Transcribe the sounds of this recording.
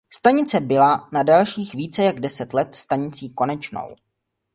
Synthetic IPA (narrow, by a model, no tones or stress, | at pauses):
st̪aɲɪt͡sɛbɪlanadalʃiːxviːt͡sɛjaɡdɛsɛt̪lɛt̪st̪aɲɪt͡siːko̞nɛt͡ʃno̰w